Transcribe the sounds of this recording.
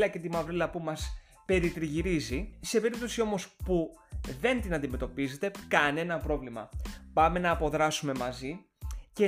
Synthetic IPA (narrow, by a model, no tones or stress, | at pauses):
lɐce̞t̪imɐvɾelɐpumɐs | pe̞ɾit̪ɾiʝiɾizise̞pe̞ɾip̚t̪o̞sio̞mo̞spuðe̞nt̪inɐnd̪ime̞t̪o̞pize̞t̪e̞kɐne̞nɐpɾo̞vlimɐ̰pɐme̞nɐːpo̞ðɾɐsume̞mɐzi | ce